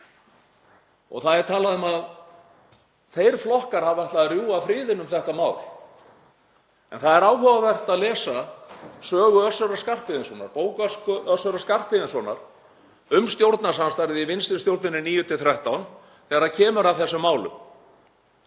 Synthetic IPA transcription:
ɔ̰ɣθaðɛɾ̥t̪ʰaːlaðʏmað | θejɾ̥flɔhkaɾ̥havaht̪laðrjuːafɾɪːðɪnʏmθɛht̪amaːwl | ɛ̰nθaðɛɾaːwɦɔvavɛr̥t̪aðlɛːsasœːɣʏœsːœɾaskar̥t̪vɪðɪnsvɔːnaɾpoːwkaskʏʔœsœɾaskar̥t̪vɪðɪnsɔna̰ɾ̥ | ʏmst̪jowɾt̪nasanst̪ajɾðɪivɪnst̪ɪ̥st̪jowɾt̪nɪnɪniːjʏt̪ʰɪlθɾɛht̪awn | θɛɾacʰɛːmʏɾaθɛsːʏmːaːwlʏ̰m

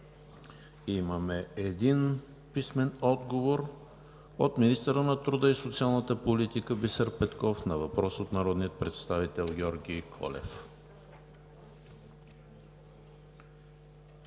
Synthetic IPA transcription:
iməmɛɛd̪in | pismɛnɔd̪ɡovoɾ | ot̪minist̪əɾənɐt̪ɾud̪əisot̪sialˠnət̪əpolit̪ikəbisəɾpɛt̪kɔfnɐvɐpɾɔsot̪naɾɔd̪nijət̪̚pɾɛt̪st̪avit̪ɛlˠɡʲɔɾɡʲijkʰɔ̰lɛ̰f

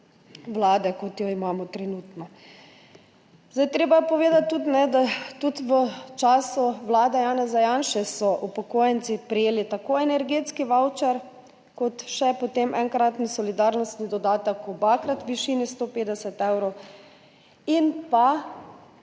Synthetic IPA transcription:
ʋlaːd̪ɛkɔt̪jɔimaːmɔt̪ɾɛnuːt̪nɔ | zd̪ajt̪ɾeːbapɔʋeːd̪at̪ːut̪nɛd̪at̪ut̪ʋət͡ʃaːsuʋlaːd̪ɛjaːnɛzajanʃɛsɔʔupɔkoːjɛnt̪sipɾɛjeːlit̪akoːɛnɛɾɡet̪skiʋawt͡ʃɛɾ | kɔt̪ʃɛpɔt̪emʔɛŋkɾat̪nisɔlid̪aɾnɔst̪nid̪ɔd̪aːt̪ɐkɔbakɾat̪ʋiʃiːnist̪opeːd̪ɛsɛt̪ɛwɾɔw | inpa

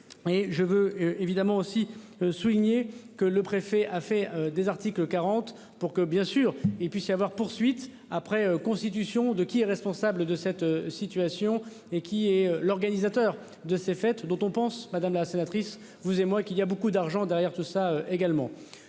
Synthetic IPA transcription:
eʒəvøevid̪amɑ̃osi | øsuliɲekələpχefɛʔafɛød̪ezaʁt̪ikləkaʁɑ̃t̪ | puʁkəbjɛ̃syːʁilpɥisjavwaʁpuʁsɥit̪ | apχɛøkɔ̃st̪it̪ysjɔ̃d̪əkʲiɛʁɛspɔ̃sabləd̪əsɛt̪øsit̪ɥasjɔ̃ | ekʲʰiɛølɔʁɡanizat̪œːʁ | d̪əsefɛt̪d̪ɔ̃t̪ɔ̃pɑ̃smad̪amlasenat̪χis | vuzemwakiliabokud̪aʁʒɑ̃d̪ɛʁjɛʁt̪usaøʔeɡalmɑ̃

